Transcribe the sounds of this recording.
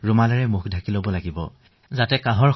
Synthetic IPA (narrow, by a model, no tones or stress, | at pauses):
ɹumalaɹɛmukʰdʱakilobɔlaɡibɔ̰ | zatɛkãɦɔɹ